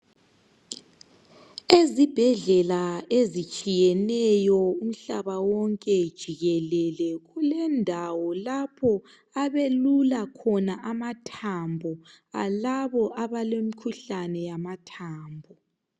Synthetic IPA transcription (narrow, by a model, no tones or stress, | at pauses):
ezib̥ʱɛɮɛlaezit͡ʃʼijɛnɛjɔum̩ɬaβawɔŋkʼɛd̥ʒ̥ʱiɣɛlɛlɛɣulɛndʱawɔlapʰɔ | aβelulakʰɔnaʔamatʰambʱɔ | alaβɔʔaβalemikʰuɬanɛjamatʰaːmbʱɔ